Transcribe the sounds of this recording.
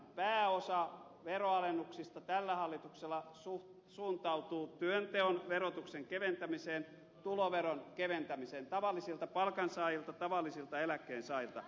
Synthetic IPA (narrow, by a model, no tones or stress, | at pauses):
pæːosɑ | ʋeroɑlenːuksist̪ɑt̪ælːæhɑlːit̪ukselːˑɑsu | suːnt̪ɑut̪uːt̪yønt̪eonʋerot̪ukseŋkeʋent̪æmiseːn | t̪uloʋeronkeʋent̪æmiseːnt̪ɑʋɑlːˑisilt̪ɑpɑlkɑnsɑːjilt̪ɑt̪ɑʋɑlːisilt̪ɑelækːˑeːnsɑːjilt̪ɑ